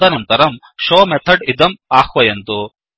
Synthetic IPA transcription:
ɐnɐnt̪ɐɾɐm | ʃoːmɛt̪ʰɐɖid̪ɐmaːxʋɐjɐnt̪u

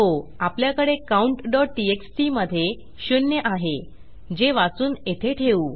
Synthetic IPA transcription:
ɦoapljakəɽekauɳʈɖɔʈːieksʈiməd̪ʱːje | ɕunjəʔaɦe | d͡ʑeʋat͡suːnet̪ʰeʈʰeuː

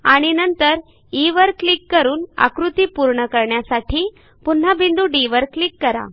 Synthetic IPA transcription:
aɽ̃inənt̪əɾ | iʋəɾklikːəɾuːna̰kɾut̪iːpuɾɳəkəɾɳjasaʈʰiː | pun̤ːabʱind̪uɖiʋəɾklikːəɾa̰

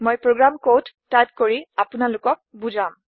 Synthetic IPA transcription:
mojpɹoɡɹamkot | tːajt̚koɹiapʊnalʊkɔk̚bud͡ʒãm

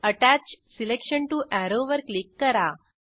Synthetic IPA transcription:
əʈæt͡ʃsilekʃənʈuʔɛɾoʋəɾklikːəɾa

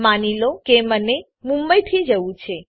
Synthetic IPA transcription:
manilokeməne | mũmbəjt̪ʰid͡ʒəʋũt͡ʃʰe

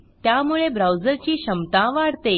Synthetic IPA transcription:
t̪jamuɭebɾawd͡zəɾt͡ɕiːɕəmt̪ãʋaɽt̪e

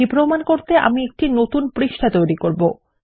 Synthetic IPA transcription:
ipɾomankoɾt̪eʔa̰miek̚ʈinot̪unpɾiʃʈʰat̪ojɾikoɾbo

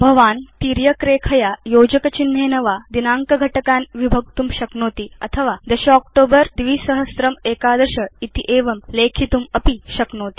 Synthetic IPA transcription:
bʱɐʋaːnt̪iːɾjɐkɾeːkʰɐjajoːd͡ʑəkɐt͡ɕinɦeːnɐʋad̪inaːŋkɐɡʱɐʈɐkaːnʋibʱɐɡ̚t̪umɕɐknoːt̪iɐt̪ʰəʋad̪əɕiɔk̚ʈoːbəɾd̪ʋiːsɐɦəsɾɐmeːkaːd̪əɾɕəit̪iʔeːʋɐmleːkʰit̪umɐpiɕɐknoːt̪i̥

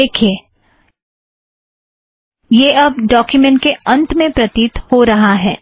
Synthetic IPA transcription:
eːkʰie | jeɐb̚ɖɔːkjumɛ̃ɳʈ̚keɐ̃nt̪mẽpɾɐt̪iːt̪hoɾɐɦaɦɛː

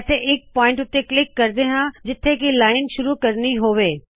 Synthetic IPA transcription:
seʔɪk̚pɔːɪ̃ɳʈʊt̪ːeklɪkːɐɾd̪eɦãd͡ʑɪt̪ʰːekilaːɪnʃʊɾukɐɾniɦoːʋeː

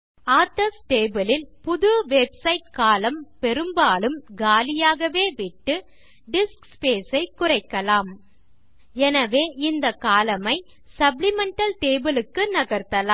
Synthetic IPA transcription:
aːt̪ɐsʈeːbɯlɪlpʊðɯʋebsɐɪʈ̚kaːlɐmpɛɾɯmbaːlɯmɡaːlɪjaːɣɐʋeːʋɪʈːɯ | ɖɪskspeːsɐɪkːʊrɐɪkːɐlaːm | ɛnɐʋeːʔɪnd̪ɐkaːlɐmɐɪ | sɐblɪmɛɳʈɐlʈeːbɯlɯkːɯnɐɣɐɾt̪ːɐlaː

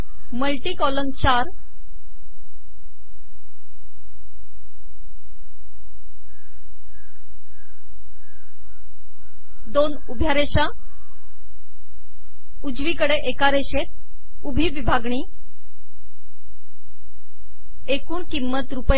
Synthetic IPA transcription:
məlʈiːkɔlənt͡ɕaɾ | d̪onubʱjaɾeɕa | ud͡zʋikəɽeʔekaɾeɕet̪̚ | ubʱiːʋibʱaɡɳi | ekuːɳkimːət̪ɾupə

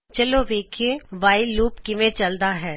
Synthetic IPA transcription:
t͡ʃɐloʋeːkʰeʋaːɪluːpkɪʋẽt͡ʃɐld̪aɦɛː

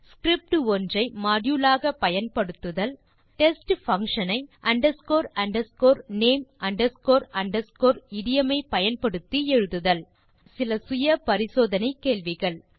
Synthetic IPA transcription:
skɾɪp̚ʈɯɔndrɐɪmaːɽjuːlaːɣɐpɐjɐnpɐɽɯt̪ːɯðɐl | ʈɛsʈfɐŋʂɐnɐɪʔɐɳɖɐɾskoːɾɐɳɖɐɾskoːɾneːmʔɐɳɖɐɾskoːɾɐɳɖɐɾskoːɾɪɽɪjɐmɐɪpɐjɐnpɐɽɯt̪ːiɛɻɯðɯðɐɭ | sɪlɐsʊjɐpɐɾɪsoːðɐnɐɪkːeːɭʋɪɣɐɭ

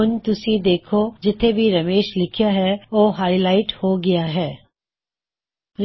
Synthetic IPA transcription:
ʊnt̪ʊsid̪eːkʰod͡ʒɪt̪ʰebʱiɾɐmeːʃlɪkʰjaɦɛoːɦaːilaːɪʈhoɡɪjaɦɛː | ɾ

